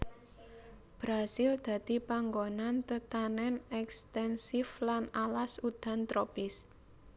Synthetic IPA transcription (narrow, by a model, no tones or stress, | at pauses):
b̥ɾasɪld̪̥ä̤d̪̥i̤paŋɡonant̪ət̪anɛnɛkst̪ɛnsɪflanalasud̪̥a̤nt̪ɾopɪs